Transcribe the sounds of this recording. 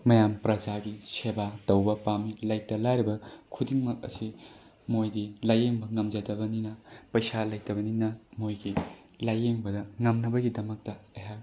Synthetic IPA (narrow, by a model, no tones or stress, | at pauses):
mɐjampɾɐd͡ʒaɡisebatɐwbɐpamilɐjtːɐlaɾibɐkʰudiŋmɐk̚ɐ̰si | mojdilajeŋbɐŋɐmzɐdɐbɐninɐpɐjsalɐjtɐbɐninɐmojɡi | lajeŋbɐdɐŋɐmnɐbɐɡidɐmɐk̚tɐɐja